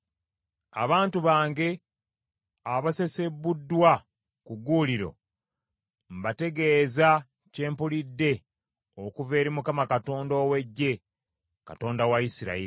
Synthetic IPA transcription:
a̰βaːntuβaːŋɡe̞ | aβase̞se̞budːwa | kuɡuːliɾo̞̰ | m̩bate̞ɡe̞ːza | ce̞ːmpulidːe̞ | okuve̞ːɾimukamakato̞ːndo̞ːwe̞ɟːe̞ | ka̰to̞ːndawaisiɾa̰ii

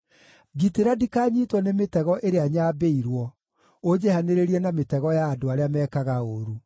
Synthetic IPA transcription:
ɡiteɾadikaːɲitwɔnemetɛɣɔʔeɾeaɲaːbeiɾwɔ | od͡ʑɛhaneɾeɾiɛnametɛɣɔjaːdoaɾeamɛːkaɣaoɾu

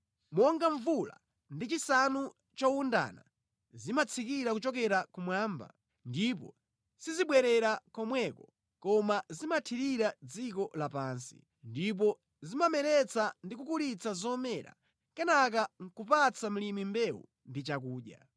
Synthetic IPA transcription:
mɔŋɡaɱvula̰ | ndit͡ʃisanu | t͡ʃɔwunda̰na̰ | zimat͡sʰikiɾakut͡ʃɔkɛɾakumwaːmba̰ | ndip̬ɔ̰ | siziɓwɛɾɛɾakɔmwɛkɔ | kɔmazimatʰiɾiɾad͡zikɔlapaːnsḭ | ndip̬ɔ | zimamɛɾɛt͡sandikukulit͡sazɔmɛɾa̰ | kɛnak̬aŋ̩kupat͡sʰam̩limimbɛwṵ | ndit͡ʃak̬uːɗja̰

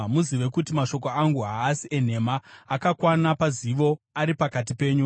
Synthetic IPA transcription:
muziʋe̞kutimaʃo̞k̬o̞aŋɡuɦaːsien̤e̞maːkakwanapaziʋo̞aɾipakat̬ipe̞ːɲu

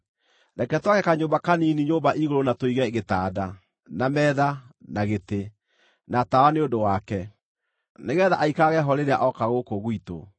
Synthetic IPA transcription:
ɾɛkɛtwaɣɛkaɲoːmbakaniːniɲoːmbaʔiɣoɾonatoiɣɛeɣetaːda | namɛːðanaɣete | natawaneodowakɛ | neɣɛðaʔaikaɣɛɦɔɾeɾea̰ʔɔkaɣokoɣwito̰

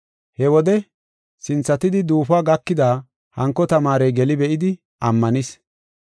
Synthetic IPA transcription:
hɛwɔd̪ɛ | sɪnt͡sːɐt̪ɪd̪ɪd̪uːfaːɡɐkːɪd̪aː | hɐŋkːɔt̪ɐmaːɾɛjɡɛlɪbɛʔɪd̪ɪ | ɐmːɐnɪs

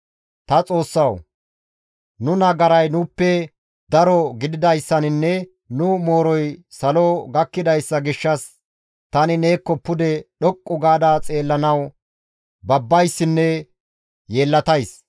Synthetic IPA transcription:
t̪ɐt͡sʼo̞ːsːɐw | nʊnɐɡɐɾɐjnʊpːɛ | d̪ɐɾɔɡɪd̪ɪd̪ɐjsːɐnɪnːɛ | nʊmo̞ːɾɔjsɐloɡɐkːɪd̪ɐjsːɐɡɪʃːɐs | t̪ɐnɪne̞ːkːɔpːʊd̪ɛɗɔkʼːʊɡaːd̪at͡sʼe̞ːlːɐnɐw | bɐbːɐjsːɪnːɛ | je̞ːlːɐt̪ɐjs

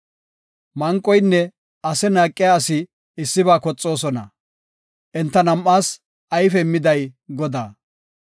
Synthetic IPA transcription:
mɐŋkʼːɔjnːɛ | ɐsɛnaːkʼːɪjaːsɪ | ɪsːɪβaːkɔt͡sʼːo̞ːsɔnɐ̰ | ʔɛnt̪ːɐnɐmʔːaːs | ɐjfɛmːɪd̪ɐjɡɔd̪a̰ː

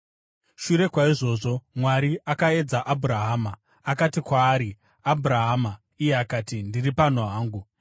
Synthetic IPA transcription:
ʃuɾe̞kwaiʐo̞ːʐo̞mwaɾiʔakae̞d͡zaʔabʱuɾaɦaːmaː | katikwaːɾi | abʱuɾaɦaːma | ijeakaːtindiripan̤uɦaːŋɡu

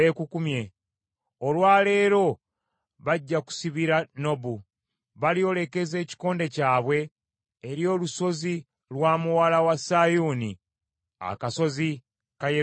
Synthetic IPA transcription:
ekukumje | olwaːle̞ːɾo̞ | βaɟːaku̥siβiɾano̞bu | βalio̞le̞ke̞ze̞ːci̥ko̞ːnde̞caːβwe̞ː | ɾjo̞ːluso̞zi | lwaːmuwalawasajuːni | a̰kaso̞zi | kaje

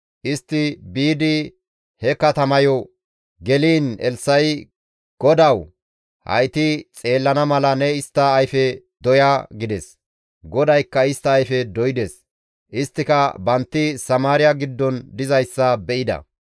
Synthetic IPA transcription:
ʔɪst̪ːɪbiːd̪ɪ | hɛkɐt̪ɐmɐjɔ | ɡɛliːnɛ̰lsːɐj | ɡ̥ɔd̪ɐw | hɐ̰jt̪ɪt͡sʼe̞ːlːɐnɐmɐlɐnɛɪst̪ːɐːjfɛ | d̪ɔjaɡɪd̪ɛs | ɡɔd̪ɐjkːɐɪst̪ːɐːjfɛd̪ɔjɪd̪es | ʔɪst̪ːɪkɐbɐnt̪ːɪsɐmaːɾɪjɐɡɪd̪ːɔnd̪ɪzɐjsːɐbɛʔɪd̪ɐ̰

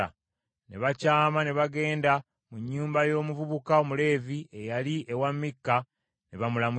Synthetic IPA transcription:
a̰ | ne̞̰βacaːmane̞βaɡe̞ːnda | muɲːuːmbajo̞ːmuvuβukaomule̞ːvie̞jaliʔe̞wamːikːa | neβamulamu

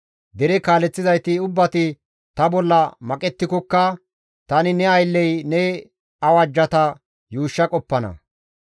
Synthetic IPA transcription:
d̪ɛɾɛkaːlɛt͡sːɪzɐjt̪ɪʊbːɐt̪ɪ | t̪ɐbɔlːɐmɐkʼɛt̪ːɪkɔkːɐ | t̪ɐnɪnɛɐjlːɛjnɛ | ɐwɐd͡ʒːɐt̪ɐ | juːʃːɐkʼɔpːɐnɐ̰

